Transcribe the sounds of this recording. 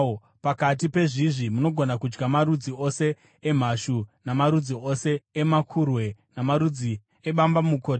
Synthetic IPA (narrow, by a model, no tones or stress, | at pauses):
pakat̬ipe̞ʐiʐimuno̞ɡʱo̞nakud͡ʒɡamaɾud͡zio̞se̞ | em̤aʃunamaɾud͡zio̞se̞ːmakʰurwe̞namaɾud͡zi | eɓambamuko̞ːt